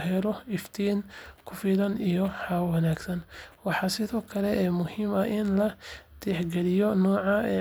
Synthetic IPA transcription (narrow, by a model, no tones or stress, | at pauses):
hɛlɔɪft̪ʰiːnkʰʊfiːlɐnijɔħɑwwɐnaːɡsɐnwɑħɑsɪðɔːkʰɐlɛɛːmʊhiːmɐʔɪnlɐd̪̥ɛħɡɛlɪjɔnɔːʕɑɛ̰ː